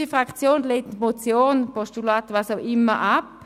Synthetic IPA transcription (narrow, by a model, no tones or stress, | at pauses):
ifʁakt͡sjoːnleːtmot͡sjoːnpɔstulaːt̪ʋaːsaʊʔɪmːəʔap